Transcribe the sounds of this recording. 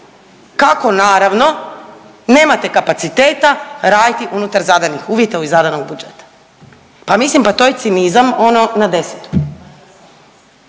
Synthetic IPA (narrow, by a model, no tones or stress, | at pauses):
kako̞naːɾaʋno̞ | ne̞ːmat̪e̞kapat̪sit̪e̞ːt̪aɾaːd̪it̪iʔunut̪aɾzad̪anixuːʋjet̪auizad̪anoɡ̚bud͡ʒe̞t̪ḁ | pamislimpat̪ojet̪sinizamo̞no̞nad̪e̞se̥t̪u̥